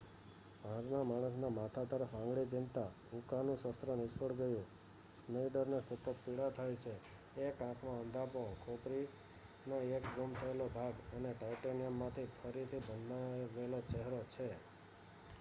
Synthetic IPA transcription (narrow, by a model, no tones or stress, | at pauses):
bʱãd͡ʒnãmaɽ̃əs̬namat̪ʰat̪əɾəfãŋɡɭid͡ʒint̪a | ũkanũsəst̪ɾənɪsəɽɡəjũ | snəiɖəɾnesət̪ət̪̚piɽat̪ʰajt͡ʃʰe | ekãkʰmãə̃nd̪ʱapokʰopɾi | noekɡomt̪ʰəelobʱaɡəneʈajʈenijəmːãt̪ʰipʰəɾit̪ʰibənaʋelot͡ʃeɦɾot͡ʃʰe